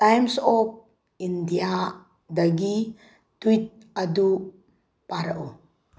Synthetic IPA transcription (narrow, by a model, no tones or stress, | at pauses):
tajmsɔp̚ | indija | daɡi | tuit̚ | adu | paɾaʔu